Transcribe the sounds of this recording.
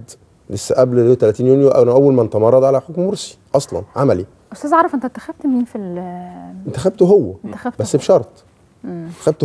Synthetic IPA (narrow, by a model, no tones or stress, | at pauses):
d̪ | lesːæʔæblot̪ælæt̪iːnjonjoʔæænæʔæwːælmænet̪ɑmɑrˤːɑd̪ʕalæħokmmoɾsi̥ʔɑsˤlɑ̰nʕamæli | ʔost̪æːzʕɑɾˤɑfʔent̪æt̪ːæ̥xæb̥̚t̪miːnfil | ent̪æxæb̚t̪oɦowːæt̪ːææbbæsːfʃɑɾˤt̪ˤ | et̪ːæ̥xæb̚t̪